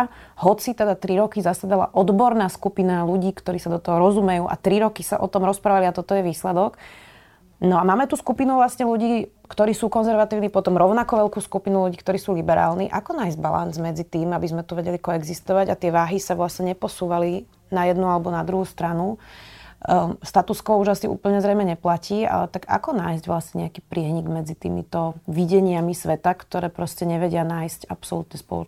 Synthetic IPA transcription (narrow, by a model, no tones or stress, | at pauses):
ɦɔt͡sit̪ɛd̪at̪ɾiɾɔkizasad̪ala̰ʔɔd̪bɔɾnaːskupinaluɟiːkt̪ɔɾiːsad̪ɔt̪ɔɦɔɾɔzumɛjuːʔa̰t̪ɾiɾɔkisaʔɔ̰t̪ɔmɾɔspɾaːʋaliat̪ɔt̪ɔjɛʋiːslɛd̪ɔɡ | nɔamaːmɛt̪uskupinuʋlasɲɛluɟiːkt̪ɔɾiːsuːkɔnzɛɾʋat̪iːʊnipɔt̪ɔmɾɔʊnakɔʋɛlkuːskupinuluɟiːkt̪ɔɾiːsuːlibɛɾa̰ːlniʔakɔnaːjzɟba̰la̰nzmɛd͡zit̪iːmabizmɛt̪uʋɛɟɛlikɔɛɡzist̪ɔʋaɟat̪ɪɛʋaːɦisaʋlasɲɛɲɛpɔsuːʋali | najɛd̪nualɛbɔnad̪ɾuɦuːst̪ɾanu | st̪at̪uskɔʊuʒasiʔṵːpl̩ɲɛzɾɛjmɛɲɛplaciːa̰lɛt̪aɡa̰kɔnaːjzɟʋlasɲɛɲɛakiːpɾɪɛɦɲiɡmɛd͡zit̪ḭːmḭt̪ɔʋiɟɛɲɪamisʋɛt̪akt̪ɔɾɛːpɾɔscɛɲɛʋɛɟɪanaːjscapsɔlut̪ɲɛspɔ̰lɔ̰